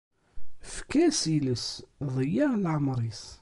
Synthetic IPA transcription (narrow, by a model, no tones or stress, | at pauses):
fkæsiləsðˤəjːalʕəmɾˤis